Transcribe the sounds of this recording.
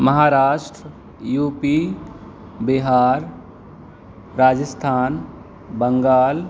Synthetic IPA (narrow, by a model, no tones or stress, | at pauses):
məɦaːɾaːʃʈɾə | juːpi | biɦaːɾ | ɾaːd͡ʒəst̪ʰaːn | bəŋɡaːl